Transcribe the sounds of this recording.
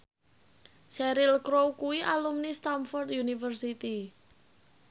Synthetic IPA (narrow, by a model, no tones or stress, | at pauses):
sɛɾɪlkɾowkuiʔalumnist̪amfɔrt̪junifərsit̪i